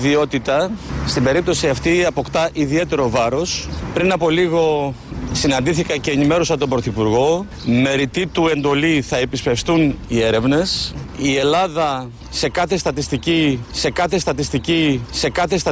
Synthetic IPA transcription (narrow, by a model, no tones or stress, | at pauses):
ðio̞t̪it̪ɐst̪imbe̞ɾip̚t̪o̞siɐft̪iɐpo̞kt̪ɐʔiðie̞t̪e̞ɾo̞vɐɾo̞spɾinɐpo̞liɣo̞sinɐnd̪iθikɐce̞ːnime̞ɾosɐt̪o̞mbɾo̞θipuɾɣo̞ | me̞ɾit̪it̪ue̞nd̪o̞liθɐe̞pispe̞fst̪unie̞ɾe̞vne̞sie̞lɐðɐ | se̞kɐθest̪ɐt̪ist̪icise̞kɐθe̞st̪ɐt̪ist̪icise̞kɐθesɐ